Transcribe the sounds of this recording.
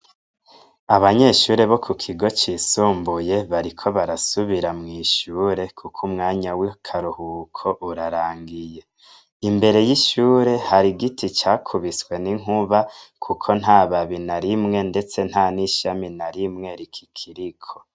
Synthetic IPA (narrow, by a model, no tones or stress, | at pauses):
aβaɲe̞ʃuːɾe̞βo̞kʰukʰiɡo̞t͡ʃisuːmbuje̞βaɾikʰo̞βaɾasuβiɾamŋiːʃuːɾe̞kʰukʰumŋaːɲawikʰaɾuhukʰo̞ʔuɾaɾaːŋɡije̞ | imbe̞ɾe̞jiʃuːɾe̞haɾiɡitʰit͡ʃaːkʰuβiswe̞niŋ̥uβakʰukʰo̞n̥ɦaːβaβinaɾimŋe̞nde̞t͡se̞n̥haniʃaminaɾimŋe̞ɾikʰi̥kʰiɾikʰo̞̥